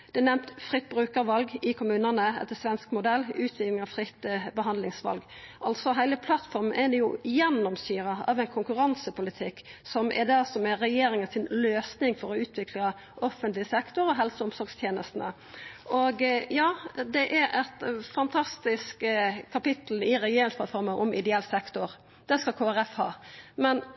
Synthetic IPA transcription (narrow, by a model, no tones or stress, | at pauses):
d̪̥ɛnɛmt̪fɾɪt̪̚ːbʁʉːkəɾʋɑlɡɪkʊmʉːnənəɛ̰t̪ːəsʋɛnskmʊd̪ɛlːʉːt̪ʰʋɪklɪŋɑʋfɾɪt̪ːbəɦɑnd̪lɪŋsʋɑ̰lɡ | ʔɑlt̪sɔɦæɪləpʰlɑt̪fɔɾmnʔɛd̪ɛjʊjɛnːɔmsyːɾəɑ̰ʋɛɪnkʰʊŋkʉɾɑnsəpʊlɪt̪ʰɪkːsɔmʔɛ̰d̪æsɔmɛɾɛjeːɾɪŋənsɪnløːsnɪŋfɔɾɔʉːt̪ʰʋɪkʰlɑ | ʔɔfənt̪lɪəsɛkt̪ʊɾɔɦɛlsəʊmsɔɾɡst̪ʰjeːnəst̪nə̰ | ʔɔɡjɑːd̪ɛʔæɾɛt̪fɑnt̪ʰɑst̪ɪskkʰɑpɪt̪l̩ɪɾɛjeːɾɪŋspʰɑt̪fɔɾmənʔɔmʔɪ̰d̪ɛɛlːsɛkt̪ʊɾ | d̪̥ɛskɑkʰoːæɾɛfhɑ̰ːmɛn